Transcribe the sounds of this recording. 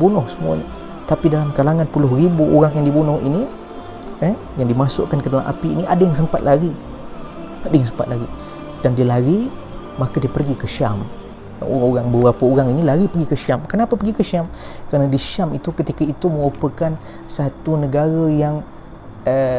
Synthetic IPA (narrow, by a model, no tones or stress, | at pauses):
bunʊhsəmua̰ɲa | t̪apidalamkalaŋãnpulʊɦɾibuoɾaŋjaŋdibunʊhḭni | ə | jaŋdimasʊ̰ʔkankədalamʔa̰piiniʔa̰dajaŋs̬əmpat̪̚laɡi | adajaŋs̬əmpa̰t̪̚laɡi | d̥andiəlaɾiː | akadiəpərɡikəʃam̰ | o̰aoɾaŋbəbɾapaoɾaŋinilaɾipərɡikəʃamkənapapərɡikəʃamkəɾanədiʃamit̪ukət̪ikait̪umə̃ŋupəkan | sat̪unəɡaɾajaŋ | ə